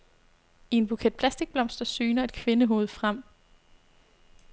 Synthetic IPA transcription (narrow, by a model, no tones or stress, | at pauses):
ie̝nb̥ukʰed̥̚pʰlæsd̥iɡ̥̚b̥lɒ̽m̰sd̥ɐsyːnɐe̝d̥̚kʰʋe̝nəɦo̝̰ːð̞̩ˠfʁam̰